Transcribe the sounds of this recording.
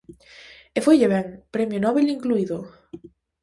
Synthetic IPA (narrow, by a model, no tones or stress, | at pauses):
efojʎeβɛŋpɾɛmjonɔβeliŋkluiðo